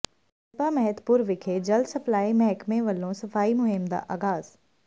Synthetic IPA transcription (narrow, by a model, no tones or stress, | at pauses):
ɪpamɛɦəd̪puɾʋɪkʰed͡ʑɐld̪sɐplaːimɛɦɛkmẽʋɐlːõsɐfaːimʊɦɪmd̪a̰ːʔaːɣaːz̥